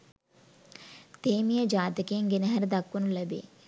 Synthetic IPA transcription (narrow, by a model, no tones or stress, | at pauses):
t̪eːmijəd͡ʒaːt̪əkeəŋɡenəɦɐɾd̪akʋənuləbḛː